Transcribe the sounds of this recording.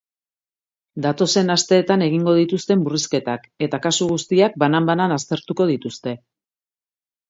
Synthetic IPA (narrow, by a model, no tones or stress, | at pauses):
d̪at̪o̞se̞nast̪e̞ːt̪ane̞ɣiŋɡo̞ð̞it̪ust̪e̞mburiske̞t̪ake̞t̪akasuɣ̞ust̪iak̚banambananast̪e̞ɾt̪uko̞ðit̪ust̪e̞